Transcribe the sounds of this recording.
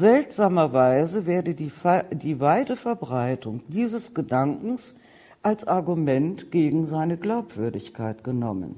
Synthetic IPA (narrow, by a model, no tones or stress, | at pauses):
zɛltz̥aːmɐvaɪzəvɛːɐdədifdiːvaɪtəfɛɐbʁaɪtʊŋd̥iːzəsɡ̥ədaŋkŋ̩s | ʔalsʔaɐɡumɛntɡ̥eːɡŋ̩zaɪnəɡlaʊpv̥ʏɐdɪçkʰaɪtɡ̥ənɔmə̰n